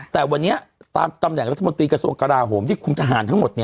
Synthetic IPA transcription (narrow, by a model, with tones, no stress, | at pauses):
t̪ɛː˨˩wa˧nːi˦˥ɐt̪a̰ː˧mka˧mnɛ˨˩ŋɾa˦t̪ʰːa˧mo˧nt̪ɾiː˧kɾa˧su˧əŋka˧laː˧ɦoː˩˦mt̪ʰiː˥˩kʰu˧mt̪a˧ɦaː˩˦nt̪ʰa˦˥ŋmo˨˩t̪̚ni˥˩ɐ